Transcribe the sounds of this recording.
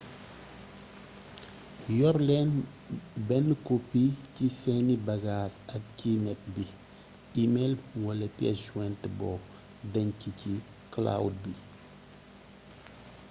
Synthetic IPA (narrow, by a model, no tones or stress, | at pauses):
jɔɾlɛn | bɛnkopːicisɛnibɐɡasɐk̚cinɛp̚bi | imelwɐlɛpjɛ̰sd͡ʒwɛntəbɔ | dɐɲcici | kla̰wd̚bi